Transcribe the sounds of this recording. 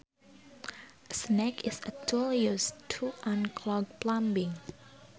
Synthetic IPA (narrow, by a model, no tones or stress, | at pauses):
əsnɛkɪsətʰuliustʰuʔãnkʰlɔɡ̚plãmbɪ̃ŋ